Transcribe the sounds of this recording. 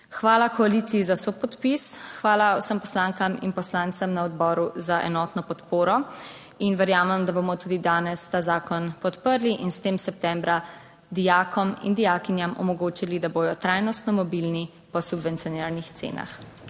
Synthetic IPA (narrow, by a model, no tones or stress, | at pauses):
xʋaːlakɔalit̪sijizasopɔt̪pisxʋaːlawsəmpɔslaːŋkamḭnpɔslaːnt̪səmnaɔd̪bɔːɾuzaʔɛ̰nɔːt̪nɔpɔt̪poːɾɔ | inʋɛɾjaːmɛmd̪abomɔt̪uːd̪id̪aːnɛst̪aːzaːkɔnpɔt̪pəɾliʔinst̪eːmsɛp̚t̪ɛmbɾa | d̪ijaːkʰɔmḭnd̪ijaːkinjamɔ̰mɔɡoːt͡ʃilid̪aboːd̪ɔt̪ɾajnɔst̪nɔmɔbilni | pɔsubvɛnt̪sijɔnɛɾnixt̪sḛːna̰x